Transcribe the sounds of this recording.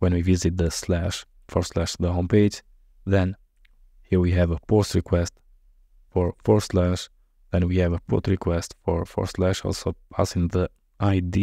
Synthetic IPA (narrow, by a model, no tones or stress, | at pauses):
wɛ̃nwivizɨt̪̚ðəslæʃ | fɔɹslæʃðəɦõʊmpeɪd͡ʒ | ðɛ̃n | hiɹwiɦɛvəpʰostɹikwɛst | fɔɹfɔɹslæʃ | ðɛ̃nwihɛvəpʰo̰tɹikʰwɛstfɔɹfɔ̰ɹslæʃɔ̰lˠsopʰa̰sɪ̃ŋðə | ʔaɪdi